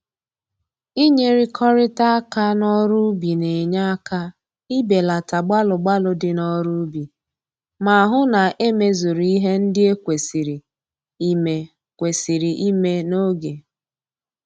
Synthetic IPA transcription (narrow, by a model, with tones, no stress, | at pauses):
i˦ɲe˦ɾi˦kʰɔ˦ɾɪ˦ta˦a˦ka˦nɔ˦ɾu˦bi˨ne˨ɲa˦a˦ka˦ | i˦be˨la˨ta˨ɡ͡ba˦lʊ˨ɡ͡ba˦lʊ˦dɪ˦nɔ˦ɾu˦bi˨ | ma˨a˨ɦʊ˦na˨ʔe˦me˦zo˨ɾi˦i˦ɦe˦n̩˦dɪ˦e˦kʷe˨si˨ɾi˨ | i˦me˨ | kʷe˨si˨ɾi˨ʔi˦me˦no˦ɡe˨